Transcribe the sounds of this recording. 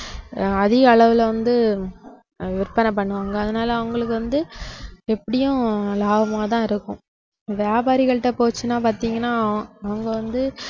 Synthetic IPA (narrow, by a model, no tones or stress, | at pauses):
ɐðɪɣɐːɭɐʋɪlʋɐnd̪ɯ | ʋɪɾpɐnɐp̬ːɐɳːɯʋaːŋɡɐːðɐnaːlɐɐʋɐŋɡɐɭɯkːɯʋɐnd̪ɯɛpːɐɽɪjʊ̃laːbɐmaːt̪ãːɪɾɯkːʊ̰̃ | ʋjaːbaːɾɪɣɐɭʈːɐpoːt͡ʃːɯnːaːpaːɾt̪iːŋɡɐnːaːɐʋɐŋɡɐʋɐnd̪ɯ